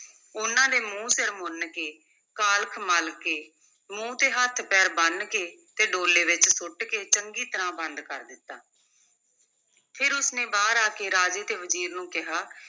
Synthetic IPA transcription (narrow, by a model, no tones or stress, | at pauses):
ʊnãːd̪eːmũːsɪɾmʊnkeː | kaːlkʰməlkeː | mũːt̪eːɦət̪ʰpɛːɾbənkeː | t̪eːɖoːleːʋɪt͡ʃsʊʈkeːt͡ʃəŋɡiːt̪əɾãːbənd̪kəɾd̪ɪt̪ːa̰ː | pʰɪɾʊsnẽːbaːɾaːkeːɾaːd͡ʒeːt̪eːʋəziːɾnũːkɪɦaː